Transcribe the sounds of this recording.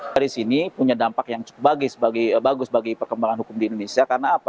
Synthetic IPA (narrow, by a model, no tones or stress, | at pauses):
aɾisinipuɲadampakjaŋt͡ʃu̥kʊp̚baɡɪsbaɡibaɡʊsbaɡipərkəmbaŋanhukʊmdiːndonesiakarnaːpa